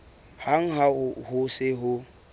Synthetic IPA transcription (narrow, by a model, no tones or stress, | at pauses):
haŋ̩ɦahʊsɪɦʊ